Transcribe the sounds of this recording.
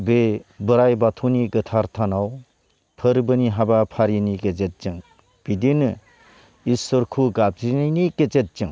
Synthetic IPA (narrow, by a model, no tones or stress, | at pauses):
bebɯɾajbatʰuniɡɯtʰaɾtʰanaw | pʰɯɾbɯniɦabapʰaɾiniɡed͡ʒet̚d͡ʒɯŋ | b̥idinɯ | isɔɾkʰuɡab̚tinajniked͡ʒet̚d͡ʒɯŋ